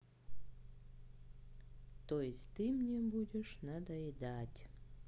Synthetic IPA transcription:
t̪ojesʲt̪ɨmnʲebudʲeʂnad̪ɐid̪atʲ

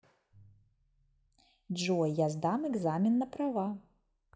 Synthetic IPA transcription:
d͡ʒɔjazd̪amɛɡzamʲinːɐpɾava

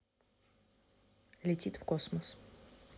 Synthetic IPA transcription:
lʲɪtʲit̪fkosməs

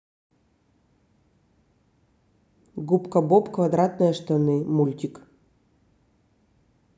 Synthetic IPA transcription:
ɡupkɐbopkvad̪ɾat̪nɨjɐʂt̪ɐnɨmulʲt̪ʲik

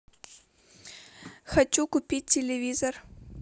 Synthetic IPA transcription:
xɐt͡ɕukʊpʲit̚ʲtʲɪlʲɪvʲizor

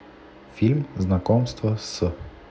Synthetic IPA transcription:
fʲilʲmznɐkɔmst̪ʋɔsə

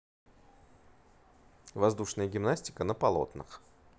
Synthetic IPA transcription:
vɐzd̪uʂnəjəɡʲɪmnasʲtʲɪ̥kənəpɐlˠo̞̰t̪nɨ̰x

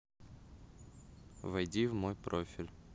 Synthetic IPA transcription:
vɐjdʲivmojpɾofʲɪlʲ

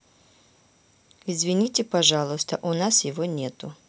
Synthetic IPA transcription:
ɪzvʲɪnʲitʲɪpɐʐalˠʊst̪əʔʊnasjɪvonʲet̪ʊ

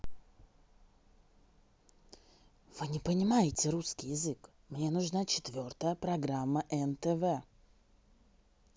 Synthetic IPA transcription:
vɨnʲɪpənʲɪmajɪtʲɪɾuskʲɪjɪzɨk | mnʲenʊʐnat͡ɕɪ̥t̪vʲo̞rt̪əjəpɾɐɡɾamːəʔɛnt̪ɛvɛ

